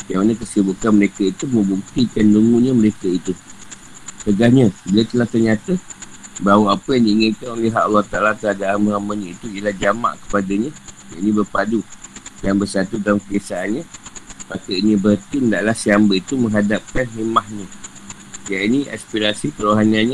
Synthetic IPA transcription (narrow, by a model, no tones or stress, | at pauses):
kamanəkəsibukanməɾekait̪umə̃mbukt̪ikanduŋũɲãməɾekait̪u | t̪əɡahɲəbilat̪əlaht̪ərɲat̪a | bawaapəjaŋdiːŋənkanoleɦaʔalːɑht̪aʔalat̪əadaʔanmə̃amaɲãit̪uiəlahd͡ʒama̰ʔkə̥padaɲãjaʔinĩbərpadudaŋbəsat̪udalamkədesaanɲãmakəinibəɦət̪indaʔlahsiambəit̪umə̃ŋɦadap̚kanɦemahɲə̃ | jainia̰spiɾasipəɾoɦananɲa